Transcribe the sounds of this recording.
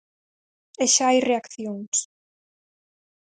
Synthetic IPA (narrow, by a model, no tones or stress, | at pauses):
eʃaajreakθjoŋs